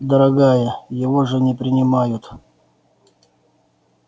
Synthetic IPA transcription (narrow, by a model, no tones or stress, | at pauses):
d̪əɾɐɡajəjɪvoʐɨnʲɪpɾʲɪnʲɪmajʊt̪